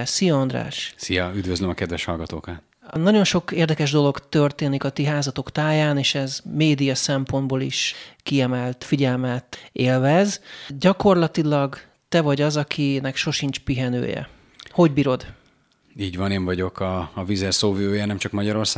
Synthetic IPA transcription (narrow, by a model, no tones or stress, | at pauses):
sijɒɒnd̪ɾa̰ːʃsijɒyd̪vøzlømɒkɛd̪vɛʃhɒlɡɒt̪oːkɑ | nɒɟo̞nʃo̞keːrd̪ɛkɛʒd̪o̞lo̞ɡt̪ørt̪eːnikɒt̪iɦaːzɒt̪o̞kt̪aːjaːneːʃɛzmeːd̪ijɒsɛmpo̞nd̪bolḭʃkiɛmɛlt̪fiɟɛlmɛt̪eːlvɛzɟɒko̞rlɒt̪ilɒɡ | t̪ɛvɒɟɒzɒkʰinɛkʃo̞ʃint͡ʃpiɦɛnø̰ːjɛ̰ | ho̞ɟbiːɾo̞d̪ | iːɟvɒneːɱvɒɟo̞kʰɒːvizɛrsoːviøːjɛnɛmt͡ʃɒkmɒɟɒɾo̞rsaː